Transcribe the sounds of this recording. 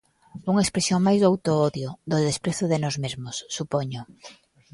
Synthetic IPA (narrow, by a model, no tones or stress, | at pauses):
uŋaekspɾesjoŋmajzðawt̪oɔðjoðoðespɾeθoðenɔzmezmʊsːupoɲʊ